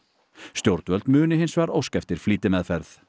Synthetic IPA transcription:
st̪jowɾt̪vœlt̪mʏːnɪɦɪnsvaɾowskɛft̪ɪɾ̥fliːt̪ɪmɛðfɛɾθ

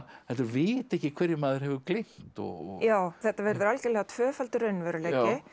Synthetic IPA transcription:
ɛnt̪ʏɾvɪːt̪ɛhcɪkʰv̥ɛɾjɪmaːðɪɾhɛvɪklɪm̥t̪ɔ̰ɔjaːwθɛht̪ːavɛɾðʏɾalcɛlɛːɣat̪ʰvœːfalt̪ʏɾœɥnvœɾʏlɛːɪ

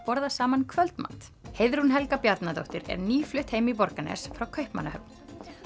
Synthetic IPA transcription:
pɔɾðasaːmankʰvœlt̪ma̰nt̪hejðɾunɦɛlkapjat̪nat̪o̰wht̪ɪɾɛ̰ɾniːflʏht̪hejmipɔɾkanɛ̰sfɾawkʰœɥhpmanahœp̚n

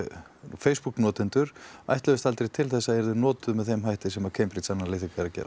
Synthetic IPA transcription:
feːjspukːnɔːt̪ɪnt̪ʏɾ̥a̰jht̪lɛvɪst̪alt̪ɾejt̪ʰɪlθɛsːaɛɾðʏnɔːt̪ʏmɛðθejmɦajht̪ɪsɛmakʰeːjmpɾit̪sanːalejθɪkaɾacɛ̰ɾa

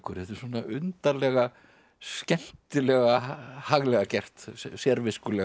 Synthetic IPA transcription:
kʰœɾ̥hɛt̪ʏɾ̥soːnaʔʏnt̪alɛɣa | scɛn̥t̪ɪlɛɣahaɣlɛɣacɛr̥t̪sjɛɾvɪskʏlɛɣ

